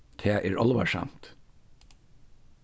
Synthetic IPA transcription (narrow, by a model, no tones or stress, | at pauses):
t̪ʰeːʔeːɹʔɑ̰lʋɑ̰ʃæ̰nt̪